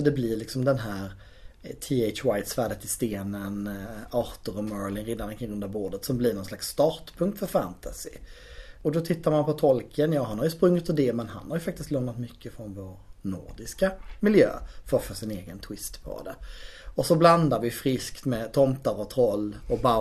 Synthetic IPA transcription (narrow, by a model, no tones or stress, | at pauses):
sɔd̪ɛblɪɾlɪksɔmd̪ɛnɦæːɾ | t̪ʰiɛɪt͡ʃwajt̪svæːɖət̪ɪst̪eːnənɑːɾt̪əɾɔmœːɾlɪnɾɪːd̪ːanɾənkʰɪŋɾɵnd̪aboːɖət̪sɔmblɪɾnɔnslaksːt̪ɑːɾʈpʰɵŋkt̪fœɾfæ̰nt̪ʰasɪ̰ | ɔd̪ɔt̪ʰɪt̪ːaɾmanpʰɔt̪ʰɔlkʰənjɑːɦanhaɾjʉspɾɵŋːɪt̪ʰɪd̪ɛmɛnɦa̰nhaɾjɵfak̚t̪ɪst̪lɔːmnat̪mʏkʰːəfɾɔnvoːɾnʊ̰ɾɖɪskamɪljø̰ːfœfœʂɪneːɡənt̪ʰwɪst̪pʰɔ̰d̪ɛ̰ɔsɔbland̪aɾvɪfɾɪskt̪mɛt̪ʰɔmt̪aɾɔt̪ʰɾɔlːɔba